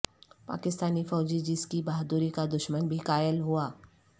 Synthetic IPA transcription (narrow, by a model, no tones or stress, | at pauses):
pa̰ːkɪst̪aːnifɔːd͡ʒid͡ʒɪskibaːɦd̪uɾikad̪ʊʃmənbʱikaːjəlɦuaː